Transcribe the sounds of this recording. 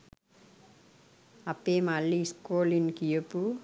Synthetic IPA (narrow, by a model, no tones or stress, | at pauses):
ɐpːeːmaɭːiskoːlinkijepːu